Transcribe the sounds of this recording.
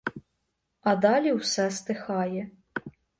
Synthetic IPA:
ɐd̪ɑlʲiwsɛst̪ɪxɑjɛ

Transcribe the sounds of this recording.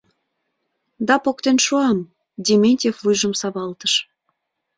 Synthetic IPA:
d̪ɑpokt̪enʃuɑm | dʲemʲenʲtʲefvujʒə̆msɑβɑlt̪əʃ

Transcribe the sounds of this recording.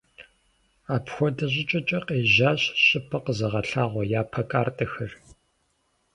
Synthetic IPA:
aːpxʷɔdɐʑʼɪt͡ʃʼɐt͡ʃʼɐqeːʒaːɕɕʼɪpʰɐqəzɐʁɐɬaːʁʷɔjaːpʰɐkʼaːrtʼɐxɐr

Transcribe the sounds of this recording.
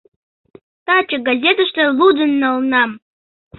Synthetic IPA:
tat͡ʃʼaɡazʲet̪ʰaʃtaludɨnːalnam

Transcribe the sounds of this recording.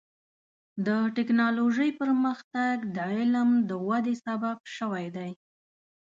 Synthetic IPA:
d̪əʈɪknɑloʒəjpəɾməxt̪aɡd̪əɪləmd̪əwad̪esabab̚ʃəwajd̪aj

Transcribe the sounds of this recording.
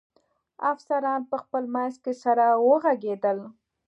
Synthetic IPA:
afsaɾɑnpəxpəlmanzkesaɾawəɣaɡed̪əl

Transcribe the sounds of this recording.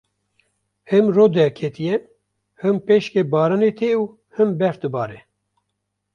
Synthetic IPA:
hɨmɾoːd̪ɛkʰet̪ijɛ | hɨmpeːʃkebɑːɾanet̪ʰeuː | hɨmbɛɾt̪ɨbɑːɾɛ

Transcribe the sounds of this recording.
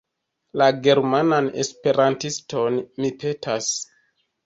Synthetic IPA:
laɡe̞ɾmanane̞̰spe̞ɾantisto̞nmipe̞tʰas

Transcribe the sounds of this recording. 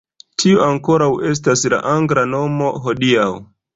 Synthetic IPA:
tʰioaŋko̞ɾawe̞s̬tasla̰ʔaŋɡɾano̞mo̞ɦo̞diaw

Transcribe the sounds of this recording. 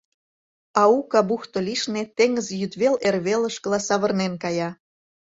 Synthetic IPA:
ɑukɑbuxt̪oliʃnet̪eŋəzjyt̪βelerβelə̆ʃkəlɑsɑβə̆rnenkɑjɑ

